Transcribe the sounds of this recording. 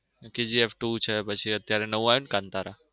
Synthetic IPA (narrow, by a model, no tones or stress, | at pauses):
ked͡ʒiefʰʈut͡ʃʰepət͡ʃʰiət̪jaɾenəʋũajunkãnt̪aɾa